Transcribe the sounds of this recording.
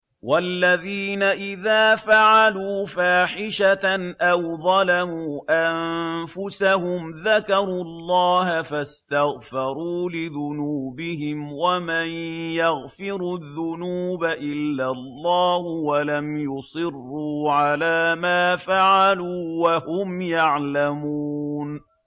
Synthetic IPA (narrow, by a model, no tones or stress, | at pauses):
walːaðiːnaʔɪðaːfaʕaluːfaːħɪʃaʔawðˤɑlamuːʔamfʊsahʊmðakɑɾˤuːɑlˤːɑːhafast̪aɣfɑɾˤuːlɪðʊnuːbɪhɪmwamanjaɣfɪɾuðːʊnuːbaʔɪlːalˤːɑːhʊwalamjʊsˤɨrːuːʕalaːmaːfaʕaluːwahʊmjaʕlamuːn